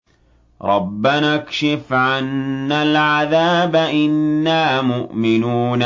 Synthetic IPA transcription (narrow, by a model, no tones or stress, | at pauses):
ɾˤɑbːanakʃɪfʕanːalʕaðaːbaʔɪnːaːmʊʔmɪnuːna